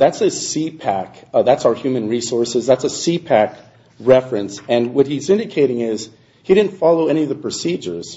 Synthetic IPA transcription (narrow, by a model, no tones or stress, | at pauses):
ðætsɨsipʰækðætsaʊə˞hjʉmɨ̃nɹisɔɹsɨzðætsəsipʰæk | ɹɛfɹɨ̃nsɨ̃nwʌt̚hizɪ̃ndɨkʰeɪɾɪ̃ŋɪz̥ | hidɪdⁿn̩tfɑlˠoʊɛñiʌvðəpʰɹ̥ɨsid͡ʒə̰˞z̥